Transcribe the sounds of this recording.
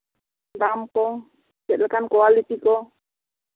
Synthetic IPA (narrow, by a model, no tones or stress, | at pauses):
dampɔ | d͡ʒɛʔləkankoalit̪ikɔ